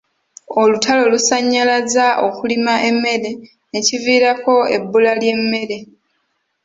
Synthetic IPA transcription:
o̞lutʰalo̞lusaɲːalazaʔo̞kulimaʔe̞mːe̞ɾe̞ | neciviːɾako̞ebːulalje̞mːe̞ɾe̞

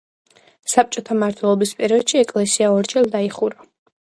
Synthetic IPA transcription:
sap̚t͡ʃʼɔt̪ʰamaɾt̪ʰwɛlˠɔbispʼɛɾiɔd̪̥ʃiɛkʼlɛsiaɔɾt͡ʃʼɛld̪aiχuɾa

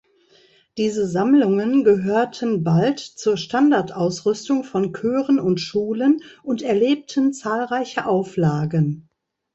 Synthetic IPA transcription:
d̥iːzəzamlʊŋənɡəɦøːɐtʰənbaltt͡suːɐʃtandaɐtʔaʊsʁʏstʊŋfɔnkʰøːʁənʊntʃuːlənʔʊntɛɐleːp̚tʰənt͡saːlʁaɪçəʔaʊflaːɡən

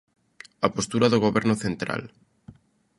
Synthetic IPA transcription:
apost̪uɾaðoɣ̞oβɛɾnoθent̪ɾa̰l

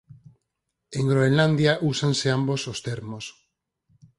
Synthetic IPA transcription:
eŋɡɾoenland̪jaʔusanseambosost̪eɾmos

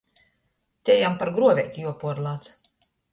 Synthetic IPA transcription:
t̪ʲɛjampaɾɡɾuɔvʲɛjt̪ʲijuɔpuɔɾlˠaːt̪s

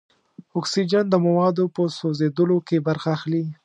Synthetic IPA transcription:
ɔksid͡ʒand̪əmawɑd̪opəsozed̪əlokebaɾxaːxli

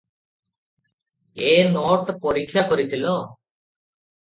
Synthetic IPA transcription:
enoʈ̪pɔɾikʰːjakɔɾit̪ʰilo

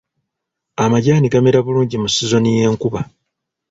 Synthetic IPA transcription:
amaɟaːniɡameɾaβuluːɲɟimusizo̞nije̞ːŋkuβa

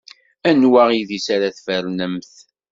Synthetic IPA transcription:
ænwaʁiðisaɾaθfəɾnəmθ

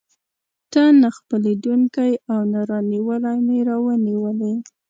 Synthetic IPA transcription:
ʈanːaxpəled̪uŋkajawnaɾɑniwəlajmeɾɑwəniwəle

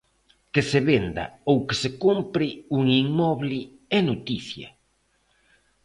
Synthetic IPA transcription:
kɪseβend̪ɐ̰owkɪsekumpɾɪuŋiŋmɔβlɪ | ɛnot̪iθjɐ̰

